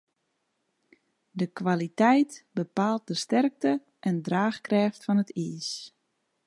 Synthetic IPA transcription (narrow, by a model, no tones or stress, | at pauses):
dəkʋalitɛjtbəpaːlˠt̚dəstɛrk̚tə | ʔɛndraːxkrɛːftfɔnətʰiːs